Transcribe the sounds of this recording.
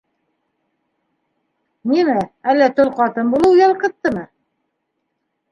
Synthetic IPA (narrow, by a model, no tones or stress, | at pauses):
nimɘælːæt̪ɵlqɑt̪ɤnbulˠɤwjɑlˠqɤ̆t̪ːɤmɤ